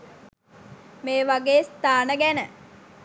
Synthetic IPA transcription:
meːʋaɡeːst̪aːnəɡænə

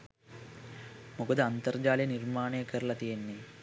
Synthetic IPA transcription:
moɡud̪ɐɐnt̪ɐrd͡ʒaːlɐjɐnirmaːɳeːkɐɾlɐt̪ijɐnːi

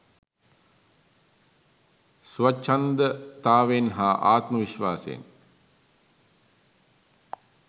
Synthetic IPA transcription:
suʋat͡ʃːand̪ət̪aːʋenɦaːʔaːt̪məʋiʃʋaːsḛːn

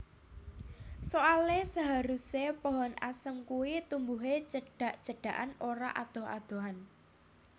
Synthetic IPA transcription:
soalesaɦaɾusepɔɦɔna̰səmkuwit̪umbuɦet͡ʃəɖ̥a̤ʔt͡ʃəɖ̥ä̤ʔanoɾa̰ʔad̪̥ɔ̤a̰d̪̥o̤ɦan

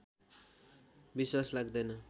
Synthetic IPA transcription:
biswaslaɡd̪ʌjnʌ

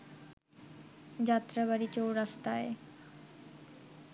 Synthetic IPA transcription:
d͡ʑat̪ɾəbaɾit͡ɕowɾast̪ae

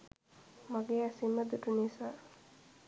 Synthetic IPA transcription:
maɡeːasimːəd̪uʈunisa

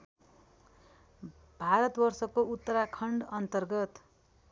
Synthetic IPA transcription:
bʱaɾʌt̪bʌrsʌkout̪ːʌɾakʰʌɳɖʌnt̪ʌrɡʌt̪

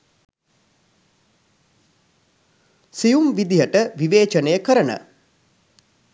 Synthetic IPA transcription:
sijumʋid̪ijəʈəʋiʋeːt͡ʃənəjəkəɾənə̰

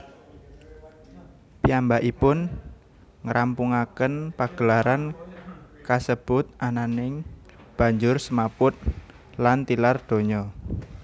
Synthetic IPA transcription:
piambaʔipʊn | ŋəɾʔampuŋakənpaɡ̥əlaɾan | kasəb̥ʊt̪̚ʔananɪŋ | b̥ä̤ɲd͡ʒʊrsəmapʊt̪̚ | lant̪ilard̪̥o̤ɲɔ

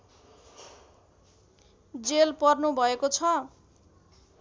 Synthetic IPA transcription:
d͡zelpʌrnubʱʌekot͡sʰʌ

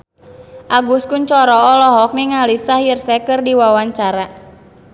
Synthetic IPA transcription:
ʔaɡuskʊnt͡ʃɔɾɔːlɔɦɔk̚niŋalisahjərsɛkɨrdiwawaɲt͡ʃaɾa

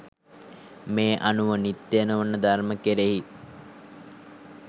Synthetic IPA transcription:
meːʔanuʋənit̪ːenəʋanːəd̪arməkeɾeɦi

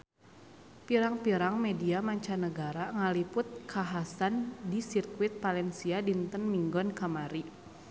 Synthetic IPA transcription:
piɾaŋpiɾaŋmɛdiamaɲt͡ʃanəɡaɾaŋalipʊt̪̚kʰaɦasandisirkwɪt̪̚palɛnsiadint̪ənmiŋɡɔnkamaɾi

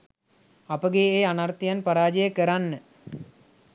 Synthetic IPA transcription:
apəɡeːanart̪ijanpaɾaːd͡ʒijəkəɾanːə

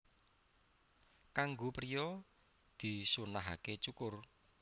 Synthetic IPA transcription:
kaŋɡopɾijɔ | d̪̥i̤sunaɦa̰ket͡ʃukʊr

